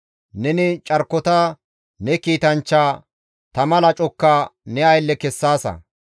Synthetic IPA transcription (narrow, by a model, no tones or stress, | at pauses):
nɛnɪt͡ʃʼɐɾkːɔt̪a | nɛkiːt̪ɐnt͡ʃːaː | t̪ɐmɐlɐt͡ʃʼɔkːaːnɛɐjlːɛkɛsːaːsɐ̰